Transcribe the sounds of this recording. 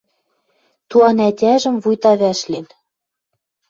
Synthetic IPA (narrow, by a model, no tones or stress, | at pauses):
t̪uɑnætʲæʒɘ̆mvujt̪ɑβæʃlen